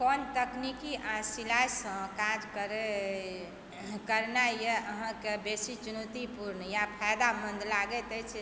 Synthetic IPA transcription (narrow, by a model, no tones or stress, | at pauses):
kɔnt̪əknikiʔasilasə̃kad͡ʒkəɾe | kəɾnajeəɦə̃kebesit͡ʃunot̪ipuɾnjapʰajd̪amənd̪laɡɛt̪ɛt͡ʃʰɛ